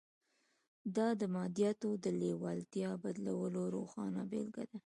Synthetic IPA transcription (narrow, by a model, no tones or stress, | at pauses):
d̪ɑd̪əmɑd̪ijɑt̪od̪əlewɑlt̪jɑbad̪lawəloɾoxɑnabḛlɡa̰d̪a